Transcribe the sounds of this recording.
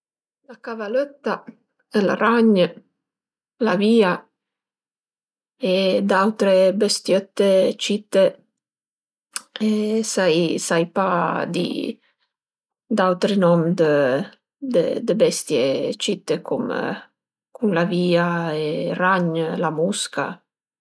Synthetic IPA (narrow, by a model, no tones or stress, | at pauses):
lakavaløt̪ːa | ɛla̰raɲ | laviːa | ed̪awt̪ɾebest̪jøt̪ːet͡ʃit̪ːe | ɛsajsajpad̪ḭ | d̪awt̪ɾinɔmd̪ə | d̪ə̰d̪əbɛst̪jet͡ʃit̪ːekʰum | kunlaviːaeraɲlamuska̰